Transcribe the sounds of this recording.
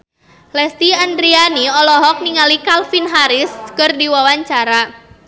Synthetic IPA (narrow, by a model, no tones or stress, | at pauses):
lɛst̪iandɾianiɔlɔɦɔk̚niŋalikalfinɦaɾɪskərdiwawaɲt͡ʃaɾa